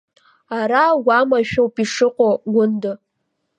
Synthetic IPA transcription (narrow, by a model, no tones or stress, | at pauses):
aɾaɡamaʃᶣowpʼiʂɨqʷʼoɡʷʊndɨ